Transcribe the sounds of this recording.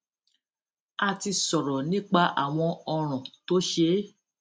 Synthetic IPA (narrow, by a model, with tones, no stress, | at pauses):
a˧ti˧sɔ˨ɾɔ˨nĩ˦k͡pa˧˦ʔa̰˨w̃ɔ̃˧ɔ˧ɾ̃ɔ̃˨to˦ʃe˧˦